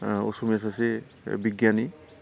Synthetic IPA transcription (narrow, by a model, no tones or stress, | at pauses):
o̰sumes̬ase | biɡjani